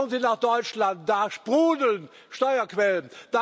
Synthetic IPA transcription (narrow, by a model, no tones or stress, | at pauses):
nzinaːχd̥ɔʏt͡ʃlant̚d̥aʃb̥ʁuːdəln | ʃtɔʏɐkvɛlənd̥a